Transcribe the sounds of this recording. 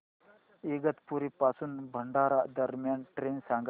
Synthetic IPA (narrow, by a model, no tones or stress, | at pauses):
eɡɐt̪puɾipasunbʱəɳɖaːɾaʔd̪əɾmjanʈɾeːnsaŋɡ